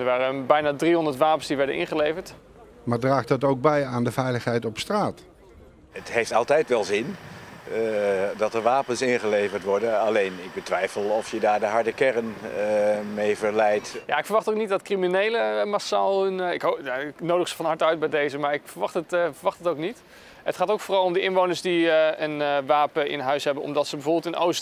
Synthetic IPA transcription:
dəɹʋaːrəbɛjnaːdriɦɔndəɹtʋaːpənsdiʋɛɹdə̰nʔɪ̰nχəlejvəɹt | maːɹdraːχtɑtowɡ̚bɛjaːndəvɛjləχɦɛjtɔpstraːt | ətɦejftɑlˠtɛjtʋɛlˠzɪn | dɑtəɹʋaːpənsɪnχəlejvəɹtʋɔɹdəɑlejnɪɡ̚bətʋɛjfəlˠɔfjədaːɹdəɦɑɹdəkɛrən | mejvəɹlɛjtja̰ɪkfəɹʋɑχtowknit̚dɑtkriminejləmasa̰ːlˠnɪkɦojaɪknowdəχsə̥fɑnɦɑɹtœɥt̚bɛjdejzəmaːɹɪkfəɹʋɑχtətfəɹʋɑχtətowknit | ətχaːtowkfoːrɑlˠɔmdəʔɪnʋownəɹsdiənʋaːpəʔɪ̰nɦœɥsɦɛbənɔ̰mdɑtsəbəvoːɹbɪlˠtɪnʔo̰wst

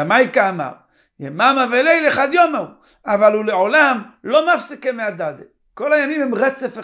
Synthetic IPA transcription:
amajkaːma̰ʁ | jemamavelejleχad̪jomau | avalhuleʕo̞lamlo̞mafsikemead̪ad̪e | ko̞lajamimhemʁet͡sefe

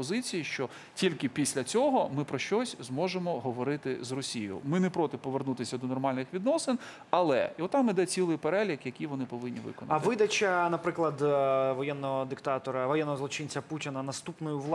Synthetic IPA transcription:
pɔzɪt͡sʲijiʃt͡ʃɔ | tʲilʲkɪpʲisʲlʲɐt͡sʲɔɦɔmɪpɾɔʃt͡ʃɔsʲzmɔʒemɔɦɔʋɔɾɪt̪ɪzrɔsʲijʊ̰mɪnɛpɾɔt̪ɪpɔʋernut̪ɪsʲɐd̪ɔnɔrmɑlʲnɪxʋʲid̪nɔsɪn | ɐlˠɛ̰iɔt̪ːɑmid̪ɛt͡sʲilˠɪjpeɾɛlʲikjɐkʲijʋɔnɪpɔʋɪnʲːḭʋɪ̰kɔ̰nɐ̰ʋɪd̪ɐt͡ʃɐnɐpɾɪklˠɐd̪ʋɔjɛnːɔɦɔd̪ɪkt̪ɑt̪ɔɾɐʋɔjɛnːɔɦɔzˠɔt͡ʃɪnʲt͡sʲɐputʲɪnɐnɐst̪upnɔjʊlˠ

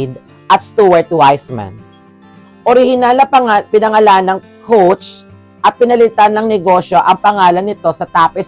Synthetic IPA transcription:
d̪̚ | ʔɐt̪̚st̪uɛɹt̪wajsma̰n | ʔoɾɪhɪnalɐpɐpɪnɐŋɐlanɐŋ | kʰowt͡ʃ | ʔɐt̪̚pɪnɐlɪt̪anːɐŋnɛɡo̞ʃjo̞ʔɐŋpɐŋaːlɐnːɪt̪o̞sɐt̪aːpɛ

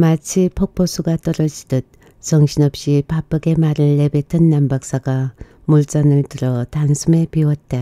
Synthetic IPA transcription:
mat͡ɕʰipʰʌk̚pʰosʰuɡat͈ʌɾʌd͡ʑidɯt̚ | t͡ɕʌŋɕʰinʌp̚ɕ͈ipap͈ɯɡemaɾɯɭːe̞betʰɯnːambak̚s͈aɡa | muɭt͡ɕ͈ʌnɯɭtɯɾʌtansʰume̞piwʌt̚t͈a

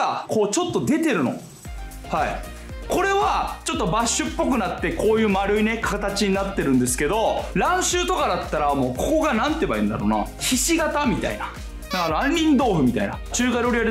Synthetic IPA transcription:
ako̞ːt͡ɕo̞t̪ːo̞d̪e̞t̪e̞ɾɯ̟no̞̰ | haḭ | ko̞ɾe̞βat͡ɕo̞t̪ːo̞baɕːɨpːo̞kɯ̟nat̪ːe̞ko̞ːjɯ̟ːmaɾɯ̟ine̞kʰat̪at͡ɕiɲ̟inat̪ːe̞ɾɯ̟̃nd̪e̞s̬ɨ̥ke̞d̪o̞ɾãɰ̃ɕɨːt̪o̞kad̪at̪ːaɾamo̞ːko̞ko̞ɡanãnt̪ːebaĩ̟nd̪a̰ɾo̞̰ːna̰ | çiɕiɡat̪amʲit̪a̰ḭna | nakanãɲʲːĩnd̪o̞ːɸɯ̟mʲit̪a̰ina̰t͡ɕɨːkad̪eoɾʲiaɾ

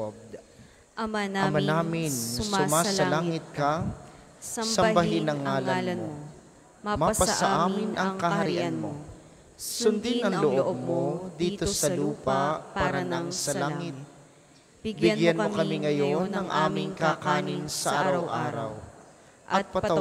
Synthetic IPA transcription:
b̚ | ɐmɐnaːmɪnsʊmaːsɐlaːŋɪt̪̚kɐ | sɐmbɐɦɪnɐŋːaːlɐnmo | mapɐsɐʔaːmɪnʔɐŋkɐɦɐɾɪʔɐʔnmo̰ | sʊnd̪ɪnɐŋlʊʔʔomod̪iːt̪o̞sɐluːpɐpaːɾɐnɐŋsɐlaŋɪt̪̚ | bɪɐnɡjaɐnmokɐmiŋɐjo̞nːɐŋʔaːmɪŋkakaːnɪnsɐʔaɾɐwʔa̰ːɾɐ̰w | ʔɐt̪̚pɐɐ

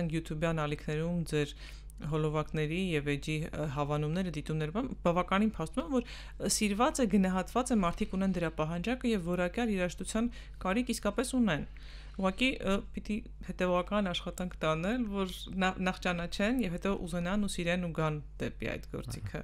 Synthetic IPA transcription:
ɛnkʰjut̪ʰjubjɑnɑlikʰnɛɾumd͡zɛɾ | ɦɔlɔvɑknɛɾijɛvɛd͡ʒiɦɑvɑnumnɛɾəd̪it̪umnɛɾmɑnbɑvɑkɑninpʰɑst̪umɛmvɔɾ | siɾvɑt͡sɛɡənɑɦɑt̪vɑt͡sɛmɑɾt̪ʰikunɛnd̪əɾɑpɑɦɑnd͡ʒɑkəjɛvːɔɾɑkjɑliɾɑʃt̪ut͡sʰjɑn | kɑɾikʰiskɑpɛsunɛn | uʁɑkipit̪i | hɛt̪ɛvɔʁɑkɑnɑʃχɑt̪ɑŋkʰt̪ɑnɛlvɔɾnɑnɑχt͡ʃɑnɑt͡ʃʰɛnjɛvhɛt̪ɔʔṵzɛnɑnusiɾɛnuɡɑnd̪̥ɛ̰pḭɑ̰jt̪ɡɔ̰ɾt͡sikʰə̰

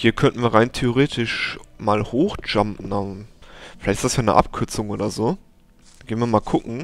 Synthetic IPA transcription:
hiːɐkʰœntən̩viːɐʁaɪntʰeoʁ̞eːtʰɪʃmaːlhoːxd͡ʒampn̩a | fɪlaɪtɪ̥stasjaːnə̰ʔa̰pkʰʏɐt͡sʊŋʔoːɾɐzoː | ɡeːnviːɐmaːlkʰʊkŋ̩

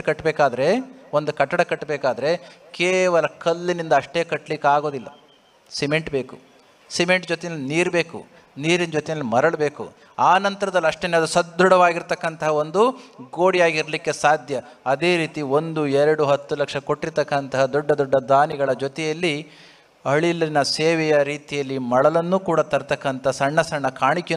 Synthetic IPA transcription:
kɐʈːbɛːkaːd̪ɐɾe̞o̞nd̪ukɐʈːɐɽɐkɐʈːbeːkaːd̪ɐɾe̞keːʋɐlɐkɐlːinind̪ɐɐʂʈe̞ːkɐʈːlikːeaːɡo̞ːd̪ilːɐ | sime̞ɳʈbeːku̥ | sime̞ɳʈd͡ʒot̪ɛjɐlːiniːɾbe̞ːkṵ | niːɾinɐd͡ʒot̪ɛjɐlːimɐɾɐɭɐbe̞ːkṵ | aːnɐnt̪ɐɾɐd̪ɐlːiɐʂʈenːeɐd̪usɐd̪ʱːuɽɐʋaːɡiɾt̪ɐkːɐnt̪ɐɦɐo̞nd̪uɡoːɽijaːɡiɾɐlikːesaːd̪ʱjɐ | ɐd̪e̞ːɾiːt̪io̞nd̪uɛɾɐɽuɦɐt̪ːulɐkʂɐko̞ʈːiɾt̪ɐkːɐnt̪ɐɦɐd̪ɔɖːɐd̪ɔɖːɐd̪aːniɡɐɭɐd͡ʒɔt̪ɛjɐlːi | ɐɭilinɐseːʋɛjɐɾiːt̪ijɐlːimɐɭɐlɐnːuːkuːɽat̪ɐɾt̪ɐkːɐnt̪ɐɦɐsɐɳːɐsɐɳːɐkʰaːɳikːe

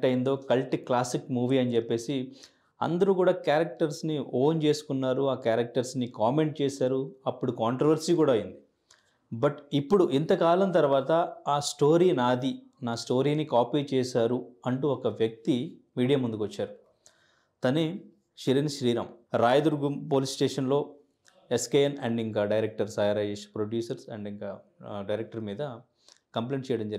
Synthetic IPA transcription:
ʈɐjind̪o̞ːkɐlʈiklaːsikmuːʋiːɐnit͡ʃepːe̞ːsi | ɐ̰nd̪ɐɾukuːɽaːkaːɾɐk̚ʈɐɾsnio̞ːnt͡ʃe̞ːsu̥kunːaːɾuaːkaːɾɐk̚ʈɐɾsnikaːme̞ɳʈ̚t͡ʃɛːsaːɾuɐpːuɽukaːɳʈɾɐʋɐɾsiːkuːɽaːɐjind̪i | bɐʈipːuɽuʔint̪ɐkaːlɐnt̪ɐɾʋaːt̪ɐaːsʈo̞ːɾiːnaːd̪i | naːsʈo̞ːɾiːnikaːpiːt͡ʃɛːsaːɾuɐɳʈuɔkɐʋjɐk̚t̪imiːɽijamund̪ukʋɐt͡ʃːaːɾu | t̪ɐne | ʃiɾɐniʃɾiːɾɐmɾaːjd̪ɐɾɡumpo̞ːlissʈeːʂɐnlo̞ː | eskeːjɐnɐɳɖiŋkaːɖɐjɾek̚ʈɐɾsɐːjɐɾɐːd͡ʒeʂpɾoɖjuːsɐɾsɐɳɖiŋkaːɖɐjɾek̚ʈɐɾmiːd̪ɐ | kɐmpleːɳʈt͡ʃɛːjɐɽɐmd͡ʒɐɾ

